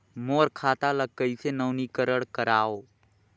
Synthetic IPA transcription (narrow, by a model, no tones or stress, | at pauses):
moːɾkʰaːt̪alək̚kːəisenəwnikəɾəɽkəɾaːo